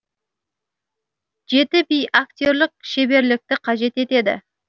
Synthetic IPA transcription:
ʒe̞t̪ɪbijak̚t̪ʲo̞ɾlɪk̚ʃe̞be̞ɾlɪk̚t̪ɪqʰɑʒe̞t̪e̞t̪e̞d̪ɪ̰

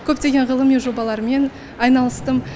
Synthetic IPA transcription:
kʲʰɵp̚t̪e̞ɡʲe̞ɴʁəlˠəmijʒo̞bɑlˠɑɾəme̞n | ɑjnɑlˠəst̪əm

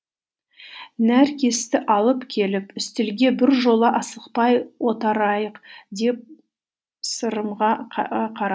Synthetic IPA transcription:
næɾkʲʰe̞st̪ɪʔɑlˠəpkʲʰe̞lɪpʏst̪ɪlɡʲe̞bɪɾʒo̞lˠəʔɑsəqpɑjwo̞t̪ɑɾɑjəqd̪e̞p̚ | səɾəmʁɑqʰɑɾɑ

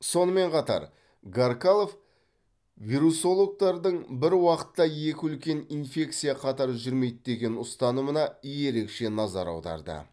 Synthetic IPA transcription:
so̞nəme̞ɴqʰɑt̪ɑ̰ɾ | ɡaɾkalˠof | vʲiɾuso̞lˠo̞k̚t̪ɑɾd̪əɴbɪɾwɑqə̥t̪ːɑje̞kʲɪʏlkʲe̞ninfʲe̞k̚t̪sɨjɑqʰɑt̪ɑɾʒʏɾme̞jd̪̚d̪e̞ɡʲe̞nʊst̪ɑnəmənɑije̞ɾe̞kʃe̞nɑzɑɾɑ̰wd̪ɑ̰ɾd̪ə̰

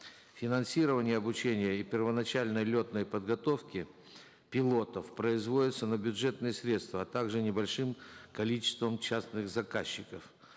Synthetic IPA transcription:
fʲɪnɐnsʲiɾəvənʲɪjəɐbʊt͡ɕenʲɪjəipʲɪrvənɐt͡ɕælʲnəjlʲo̞t̪nəjpəd̪ɡɐt̪o̞fkʲɪ | pʲɪlˠo̞t̪əfpɾəɪzvo̞dʲɪt̪sənəbʲʊʐɛt̪nɨjəsɾʲe̞t̪st̪vəɐt̪aɡʐɨnʲɪbɐlʲʂɨmkɐlʲit͡ɕɪ̥st̪vəmt͡ɕasnɨxzɐkaɕːɪkəf

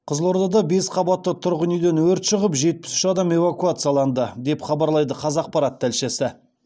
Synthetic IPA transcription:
qʰəzlˠo̞ɾd̪ɑd̪ɑbe̞sqʰɑbɑt̪ːət̪ʰʊɾʁənijd̪enwɵɾt̪ʃəʁəpʒe̞t̪̚pɪ̥sʏ̥ʃɑd̪ɑme̞vakuat̪sɨjalˠɑnd̪əd̪e̞pχɑbɑɾlˠɑjd̪əqʰɑzɑq̚pɑɾɑt̪ʰːælʃesɪ

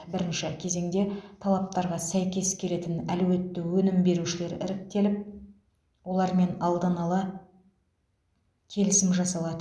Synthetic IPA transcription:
bɪɾɪnʃɪkʲʰe̞ze̞ŋd̪e̞t̪ʰɑlˠɑp̚t̪ɑɾʁɑsæjkʲe̞skʲʰe̞le̞t̪ɪnælwe̞t̪ːɪwɵnɪmbe̞ɾuʃɪle̞ɾɪ̰ɾɪk̚t̪e̞lɪp̚ | wo̞lˠɑɾme̞nɑlˠd̪ɑnɑlˠɑ | kʲʰe̞lɪsɪmʒɑsɑlˠɑd̪ə

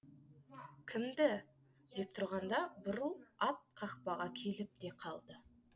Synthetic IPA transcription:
kʲʰɪmd̪ɪ | d̪e̞p̚t̪ʰʊɾʁɑnd̪ɑbʊɾulˠɑt̪̚qʰɑqpɑʁɑkʲʰe̞lɪp̚d̪e̞qʰɑlˠd̪ə

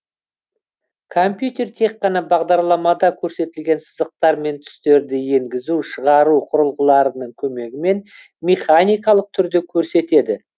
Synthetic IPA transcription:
kʰompjut̪e̞rt̪ʰe̞kqːɑnɑbɑʁd̪ɑɾlˠɑmɑd̪ɑkʲʰɵɾse̞t̪ɪlɡʲe̞nsəzəq̚t̪ɑɾme̞nt̪ʰʏ̥st̪e̞ɾd̪ɪje̞ŋɡʲɪzuʃəʁɑɾuqʰʊɾəlˠʁəlˠɑɾənəɴkʲʰɵme̞ɡʲɪme̞n | mʲeχanʲijkɑlˠəq̚t̪ʰʏɾd̪ekʲʰɵɾse̞t̪e̞d̪ɪ

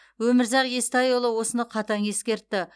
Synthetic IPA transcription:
wɵmɪɾzɑqje̞st̪ɑjolˠəwo̞sənəqʰɑt̪ɑŋe̞skʲe̞ɾt̪ːɪ

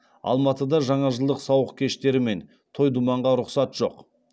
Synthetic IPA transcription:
ɑ̰lˠmɑt̪əd̪ɑʒɑɴɑʒəlˠd̪əqsɑwəqkʲʰe̞ʃt̪e̞ɾɪme̞n | t̪ʰo̞jd̪umɑɴʁɑɾʊqsɑt̪ʒ̥o̞̰q

